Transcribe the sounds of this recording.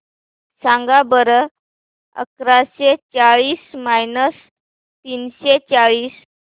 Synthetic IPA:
sãŋɡabəɾə | ə̰kɾaɕet͡ɕaɭiːsmajnəs | t̪iːnɕet͡ɕaɭiːs

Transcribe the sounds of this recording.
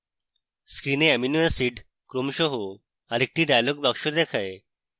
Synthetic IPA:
skɾineɛminuesiɖ | kɾomʃɔɦo | aɾek̚ʈiɖajaloɡ̚bakʃod̪ɛkʰaj

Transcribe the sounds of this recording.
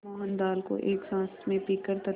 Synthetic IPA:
mɔːɦənd̪aːlko̰ʔeːksãːsmẽpiːkəɾt̪ɐ

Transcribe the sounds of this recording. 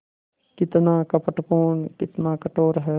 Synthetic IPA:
kɪt̪naːkɐpəʈpoːnkɪt̪nakɐʈoːɾɦɛː

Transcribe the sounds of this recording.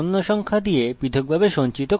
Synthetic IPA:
nːoʃɔŋkʰad̪iepit̪ʰoɡ̚bʱabeʃont͡ɕit̪o

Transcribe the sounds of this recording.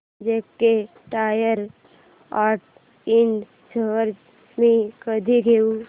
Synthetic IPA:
d͡ʒekkːe | ʈaːjəɾ | aːɾʈ | ɪɳɖ | d͡ʒəʋəɾd͡ʒ | mẽkəd̪ʱiɡʱeu

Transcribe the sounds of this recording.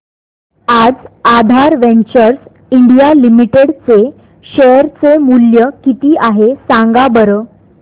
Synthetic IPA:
ad͡zad̪ʱaɾʋẽɲt͡ɕəɾs | iɳɖijalimiʈeɽt͡se | ɕejəɾt͡semuljəkit̪iːʔaɦesãŋɡabəɾəː

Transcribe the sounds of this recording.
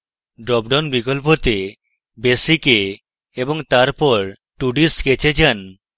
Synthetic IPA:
ɖɾɔbɖɔnbikolp̬ot̪e | besike | eboŋt̪aɾpɔɾ | ʈuɖisket͡ɕed͡ʑan

